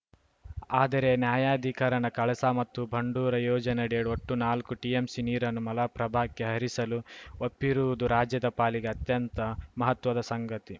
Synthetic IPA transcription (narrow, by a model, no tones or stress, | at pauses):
aːd̪ɐɾe̞njaːjaːd̪ʱikɐɾɐnɐkɐɭɐsaːmɐt̪ːubʱɐɳɖuːɾɐjɔːd͡ʒɐnɐɽiɐɽuoʈːunaːlkuʈiemsiniːɾɐnːumɐlaːpɾɐbʱaːkːeɦɐɾisɐluopːiɾuʋud̪uɾaːd͡ʒjɐd̪ɐpaːliɡeɐt̪jɐnt̪ɐmɐɦɐt̪ʋɐd̪ɐsɐŋɡɐt̪i